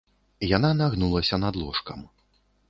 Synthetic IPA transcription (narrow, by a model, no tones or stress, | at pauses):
jananaɣnulˠɐsʲɐnad̪lˠɔʂkɐm